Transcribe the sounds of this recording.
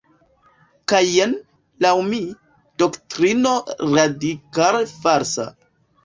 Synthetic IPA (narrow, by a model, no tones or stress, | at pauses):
kajen | lawmi | doktɾinoɾadikalfaɾsa̰